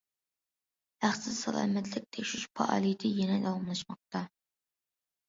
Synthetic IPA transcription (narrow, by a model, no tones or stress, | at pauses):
æχsɨsɑ̰lˠɑ̰ːmɛt̪ʰlɪk̚ʲt̪ʰɛkʲʃyʃpʰɑ̰ʔɑ̰ːlˠit̪ʰɪjɛnɛd̪ɑwɑmlˠɑʃmɑq̚t̪ɑ